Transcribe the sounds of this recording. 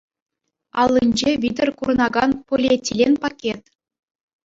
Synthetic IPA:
ɑlʲˠːinʲd͡ʑeʋʲid̪ʲɘ̆rkurɤ̆nɑɡɑnpolʲetʲːilʲenʲpɑkʲet̪

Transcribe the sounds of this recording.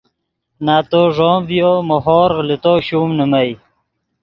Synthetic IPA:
naːt̪oːʐoːmvjomoɦoːɾʁlit̪oːɕuːmnəmaj

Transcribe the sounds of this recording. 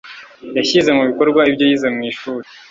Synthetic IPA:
jaçize̞muβiko̞ɾɡwaibɟo̞jizemŋiːʃuːɾi

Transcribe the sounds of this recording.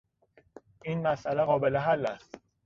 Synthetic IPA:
ʔiːnmæsʔæleɣɒːbeleɦælːæst̪

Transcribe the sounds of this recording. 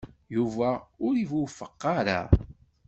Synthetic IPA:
juvæʊɾivufəqːɑɾa̰

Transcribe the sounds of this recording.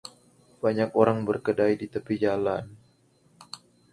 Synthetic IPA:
b̥aɲakoɾaŋbərkədajdit̪əpid͡ʒalan

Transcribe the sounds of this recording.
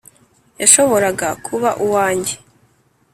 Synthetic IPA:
jaʃo̞βo̞ɾaɡakʰuβaʔuwaːɲɟe̞

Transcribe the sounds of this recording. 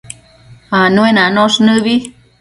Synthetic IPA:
hanũenãnõʂnɨβi

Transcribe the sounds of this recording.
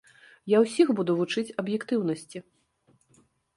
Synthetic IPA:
jawsʲixbud̪uvut͡ʂɨt͡sʲɐbjɛkt̪ɨwnɐsʲt͡sʲi

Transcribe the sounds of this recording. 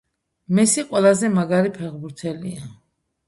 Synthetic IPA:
misiqʼwɛlˠazɛmaɡaɾipʰɛʁbuɾt̪ʰɛlia

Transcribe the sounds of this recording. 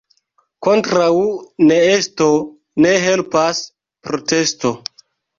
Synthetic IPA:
kontɾawneesto̞ | ne̞ɦe̞lpas | pɾotesto̞

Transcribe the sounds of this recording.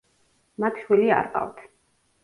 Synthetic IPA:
mat̪ʰʃwilia̰ɾqʼa̰vt̪ʰ

